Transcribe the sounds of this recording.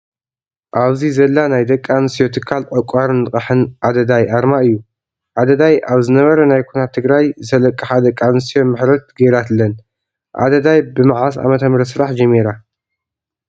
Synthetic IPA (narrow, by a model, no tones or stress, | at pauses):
ʔaβzizɐlːanajd̪ɐkʼːansijo̞t̪ʰɨkʰalʕɐkʼːaɾɨnːɨχʼɐħɨnʔad̪ɐd̪ajʔaɾmaɨjːu | ʔad̪ɐd̪ajʔaβzɨnɐβɐɾɐnajkʰunat̪ʰːɨɡɾajzɐlɐkʼːɨħad̪ɐkʼːanɨsiomɨħɾɐt̪ɡɐjɾat̪lːɐn | ʔa̰d̪ɐd̪ajbɨmɨʕas̬a̰mɐt̪ʰɐmɾɐsɨɾaħd͡ʒɐmːiɾa